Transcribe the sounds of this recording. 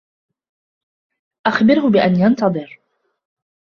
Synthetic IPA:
ʔaxbɪɾhʊbɪʔanjant̪ɑðˤɨɾ

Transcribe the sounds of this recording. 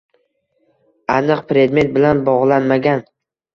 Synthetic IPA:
anɨqpɾe̞d̪me̞t̪̚bɪlanbɒʁlˠanmaɡʲan

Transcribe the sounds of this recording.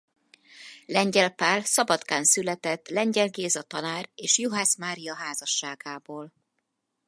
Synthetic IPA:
lɛɲɟɛlpaːlsɒbɒt̪kaːnsylɛt̪ɛt̪ːlɛɲɟɛlɡeːzɒt̪ɒnaːreːʃjoɦaːsmaːɾijɒɦaːzɒʃːaːɡaːboːl

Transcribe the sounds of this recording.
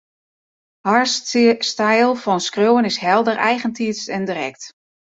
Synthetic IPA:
haɹsstajlˠfɔnskrøwənɪsɦɛlˠdərʔɛjɣəntʰiəstɛndirɛkt

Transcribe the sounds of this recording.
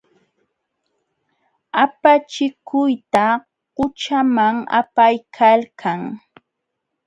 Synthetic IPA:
apat͡ʃɪkʊjt̪a | ɢʊt͡ʃamaŋa̰pajkʰalkʰaŋ

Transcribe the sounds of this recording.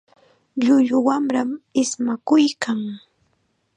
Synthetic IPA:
ʎʊʎʊwamɾamɪsmakʊjkaŋ

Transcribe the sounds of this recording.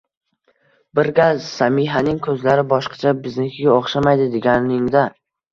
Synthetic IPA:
bɪɾɡʲazsamɪɦanɪŋkʰɵzlaɾɪbɒʃqʰɑ̥t͡ʃʰabɪznɪkʲʰɪɡʲaoχʃamajd̪ɪd̪eɡʲanɪŋd̪a

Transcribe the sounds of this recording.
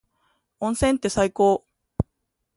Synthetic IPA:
õ̞ɰ̃sẽnt̪e̞saiko̞ː

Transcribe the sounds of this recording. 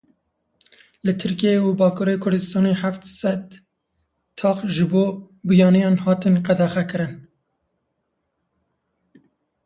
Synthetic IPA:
lɨt̪ʰɨɾkijeubɑːkuɾekʰʊɾd̪ɨst̪ɑːneħaft̪sɛd̪ | t̪ʰɑːqʒɨboː | bujɑːnijɑːnhɑːt̪ɨnqæd̪ɛxɛkɨɾɨn

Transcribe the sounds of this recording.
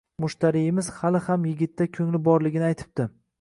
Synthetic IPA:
mʊʃt̪ʰaɾijɪmɪz̥halɪhamjɪɡʲɪt̪ʰːakʲʰɵŋlɪbɒɾlɪɡʲɪnɪajt̪ʰɪ̥p̚t̪ɪ

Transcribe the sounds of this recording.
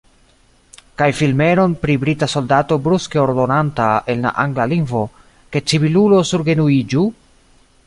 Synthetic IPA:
kajfilme̞ɾo̞npɾibɾitaso̞ldato̞bɾuskeoɾdo̞nantae̞nla̰ʔaŋɡlaliŋvo̞ | ke̞t͡siβilulo̞suɾɡe̞nuid͡ʒu

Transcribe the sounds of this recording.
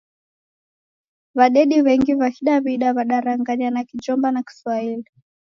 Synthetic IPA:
βaɗɛɗiβɛŋɡiβakiɗaβiɗaβaɗaɾaŋɡaɲanakit͡ʃɔmbanaki̥swaili

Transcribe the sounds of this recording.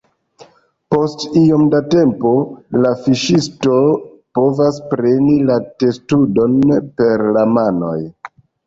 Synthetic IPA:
po̞stiomdate̞mpo̞lafiʃisto̞ | po̞vaspɾe̞nilate̞studo̞npe̞ɾlamano̞̰j

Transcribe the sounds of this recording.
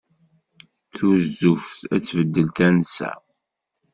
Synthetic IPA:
θuzufθæt͡sːvəd̪ːəlt̪ænsæ̰

